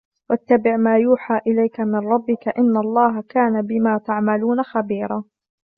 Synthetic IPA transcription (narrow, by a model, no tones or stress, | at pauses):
wat̪ːabɪʕmaːjuːħaːʔɪlajkamɪnɾˤɑbːɪkaʔɪnːalˤːɑːɦakaːnabɪmaːt̪aʕmaluːnaxabiːɾˤɑː